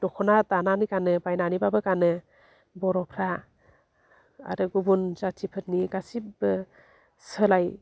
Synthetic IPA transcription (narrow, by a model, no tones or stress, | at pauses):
d̥ɔkʰɔnatananikanɯbajnanibabɯkanɯ | bɔɾɔpʰɾa | a̰ɾɯɡubunzatʰipʰɯt̚niɡasibɯ | səlaj